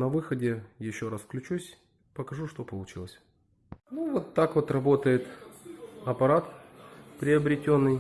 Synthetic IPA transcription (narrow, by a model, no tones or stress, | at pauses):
nɐvɨxədʲɪjɪɕːo̞ɾasfklʲʉt͡ɕusʲ | pəkɐʐuʂt̪o̞pəlˠʊt͡ɕilˠəsʲ | nuvo̞t̪ːakvo̞t̪rɐbo̞t̪əjɪt̪ | ɐpɐɾat̪pɾʲɪəbɾʲɪtʲo̞nːɨj